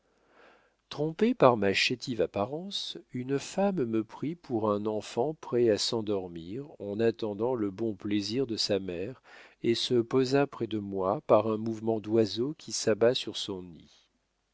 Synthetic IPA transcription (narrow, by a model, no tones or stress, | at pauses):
t̪χɔ̃pepaʁmaʃet̪ʰivapaʁɑ̃synfamːəpχipʰuʁɛ̃nɑ̃fɑ̃pχɛasɑ̃d̪ɔʁmiʁɑ̃nat̪ɑ̃d̪ɑ̃ləbɔ̃pleziʁd̪əsamɛʁesəpozapχɛd̪əmwapaʁɛ̃muvmɑ̃d̪wazokʲʰisabasyʁsɔ̃nḭ